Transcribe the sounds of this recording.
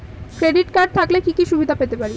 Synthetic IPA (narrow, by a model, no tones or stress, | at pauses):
kɾeɖiʈkaɾɖ̚t̪ʰaklekikiʃubʱid̪ʱapet̪epaɾi